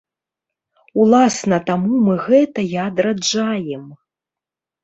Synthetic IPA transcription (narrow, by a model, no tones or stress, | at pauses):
ulˠasnɐt̪amumɨɣɛt̪ɐjaːd̪ɾad͡ʐajɛm